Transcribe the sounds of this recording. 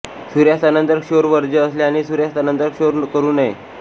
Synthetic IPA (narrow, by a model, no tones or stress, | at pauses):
suɾjast̪anənt̪əɾkɕoɾʋəɾd͡ʑəəsleañisuɾjast̪anənt̪əɾkɕoɾkəɾuːne